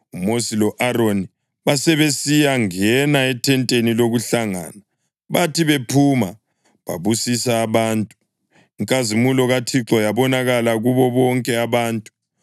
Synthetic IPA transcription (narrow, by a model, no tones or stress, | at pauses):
umosilɔʔaroni | βasɛβesijaŋɛnaɛtʰɛntʼeniloɣuɬaŋa̰ːna | βatʰiβepʰuma | βa̰βusisaːβaːntʼu | iŋkʼazimulɔɣatʰiǁɔjaβɔnaɣalaɣuβɔβɔŋkʼɛaβaːntʼu̥